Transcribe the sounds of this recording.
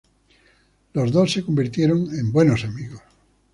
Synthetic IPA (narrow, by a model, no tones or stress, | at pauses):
lozðosːekombiɾt̪jeɾoŋẽmbwe̞nosamiɣos